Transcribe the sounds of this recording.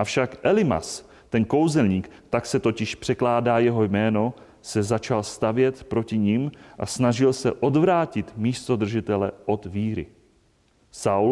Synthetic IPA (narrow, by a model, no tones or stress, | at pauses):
ʔafʃakʔɛlɪma̰s | t̪ɛnko̞wzɛlɲiːkt̪aksɛt̪o̞cɪʃpr̝̥ɛklaːdaːjɛɦo̞jmɛːno̞ | sɛzat͡ʃalst̪avjɛt̪pɾo̞cɪɲɪmʔa̰snaʒɪlsɛ̰ʔo̞d̪vɾaːcɪt̪miːst̪o̞d̪r̩ʒɪt̪ɛlɛ̰ʔo̞d̪viːɾɪ̰ | saw